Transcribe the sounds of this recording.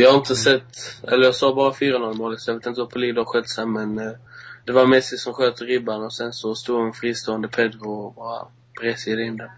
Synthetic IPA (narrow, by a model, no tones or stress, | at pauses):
jɑhaɾɪnt̪əsɛt̪ːɛləɾjɑːɡsɑːbɑːɾafyːɾanɔlmoːlɪsɔjɑveːt̪ɪnt̪əvapʰɔliːɡd̪əhaɾɧɛt̪ːsɛnmɛnd̪ɛvaɾmɛsɪsɔmɧøːt̪əɾɪbːanɔsɛnsɔst̪uːɡɛnfɾiːst̪oːənd̪əpʰɛd̪ɡʊbɑːɾa̰ | b̥ɾɛsd̪ɛɪnːd̪ɛn